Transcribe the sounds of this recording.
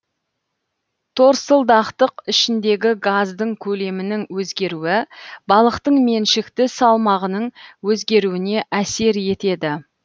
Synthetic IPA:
t̪ʰo̞ɾsəlˠd̪ɑqt̪əqɪʃɪnd̪e̞ɡʲɪɡazd̪əɴkʲʰɵle̞mɪnɪŋwɵzɡʲe̞ɾuɪbɑlˠəqt̪əɴme̞nʃɪkt̪ɪsɑlˠmɑʁənəɴwɵzɡʲe̞ɾuɪne̞ʔæse̞ɾje̞t̪e̞d̪ɪ

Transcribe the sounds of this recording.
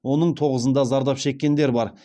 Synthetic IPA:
wo̞nəɴt̪ʰo̞ʁəzənd̪ɑzɑɾd̪ɑpʃe̞kʲːe̞nd̪e̞ɾbɑɾ

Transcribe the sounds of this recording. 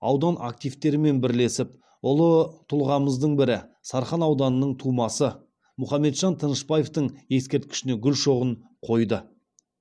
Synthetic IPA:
ɑwd̪ɑnʔak̚t̪ijft̪e̞ɾɪme̞nbɪɾle̞sɪp | ʊlˠət̪ʰʊlˠʁɑməzd̪əɴbɪɾɪsɑɾχɑnɑwd̪ɑnənəɴt̪ʰumɑsə | mʊχɑmːe̞t̪ʒɑnt̪ʰənəʃpɑje̞ft̪əɴje̞skʲe̞ɾt̪kʲɪ̥ʃɪne̞ɡʲʏlʃo̞ʁəɴ | qʰo̞jd̪ə

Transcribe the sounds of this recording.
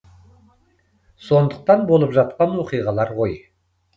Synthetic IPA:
so̞nd̪əq̚t̪ɑnbo̞lˠəpʒɑt̪̚qɑnwoqijʁɑlˠɑɾʁo̞j

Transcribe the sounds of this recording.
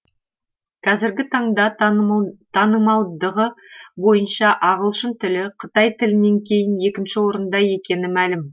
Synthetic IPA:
kʰɑzɪɾɡʲɪt̪ʰɑɴd̪ɑ | t̪ʰɑnəmɑlˠd̪əʁəbo̞jənʃɑʔɑʁəlˠʃənt̪ʰɪlɪqʰə̥t̪ɑjt̪ʰɪlɪne̞ŋkʲʰe̞jɪnje̞kʲɪnʃɪwo̞ɾənd̪ɑje̞kʲe̞nɪmælɪm

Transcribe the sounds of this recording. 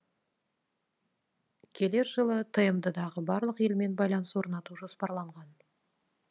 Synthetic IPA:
kʲʰe̞le̞ɾʒəlˠət̪ʰəjəmd̪əd̪ɑʁəbɑɾlˠəqje̞lme̞nbɑjlˠɑnəswo̞ɾnɑt̪uʒo̞spɑɾlˠɑɴʁɑn

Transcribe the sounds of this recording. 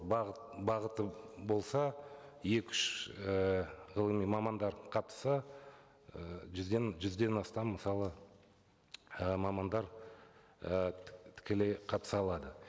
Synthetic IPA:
bɑʁət̪əbo̞lˠsɑje̞kʲʏʃəʁəlˠəmijmɑmɑnd̪ɑɾqʰɑt̪ə̥sɑ | ʒd̪enʒʏzd̪e̞nɑst̪ɑmːəsɑlˠə | əmɑmɑnd̪ɑɾ | ət̪ʰɪ̥kʲeleqʰɑt̪ə̥sɑlˠɑd̪ə

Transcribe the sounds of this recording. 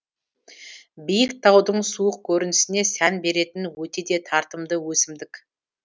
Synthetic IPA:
bijɪk̚t̪ʰɑwd̪əɴsuəq̚kʲʰɵɾɪnɪsɪne̞sænbe̞ɾe̞t̪ɪnwɵt̪e̞d̪e̞t̪ʰɑɾt̪əmd̪əwɵsɪmd̪ɪkʲ

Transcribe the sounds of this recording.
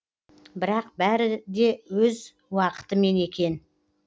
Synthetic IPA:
bɪɾɑq̚bæɾɪd̪e̞wɵz | wɑqə̥t̪əme̞ne̞kʲe̞n

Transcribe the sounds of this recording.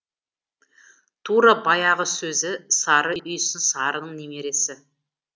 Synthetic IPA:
t̪ʰuɾabɑjɑʁəsɵzɪsɑɾəʔʏjsɪnsɑɾənəɴneme̞ɾe̞sɪ

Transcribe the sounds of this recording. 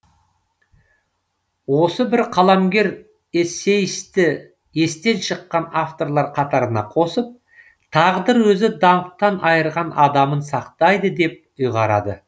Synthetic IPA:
wo̞səbɪɾqʰɑlˠɑmɡʲe̞ɾ | ese̞jɪst̪ɪ | e̞st̪e̞nʃəqːɑnaft̪o̞ɾlˠɑɾqʰɑt̪ɑɾənɑ̰qʰo̞səp̚ | t̪ʰɑʁd̪əɾwɵzɪd̪ɑmt̪ːɑnʔɑjəɾʁɑnɑd̪ɑmənsɑqt̪ɑjd̪əd̪e̞p̚ʊjʁɑɾɑ̰d̪ə̰

